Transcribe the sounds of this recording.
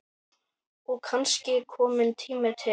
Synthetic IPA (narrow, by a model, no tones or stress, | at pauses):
ɔkʰanscɪkʰɔːmɪnt̪ʰiːmɪt̪ʰɪ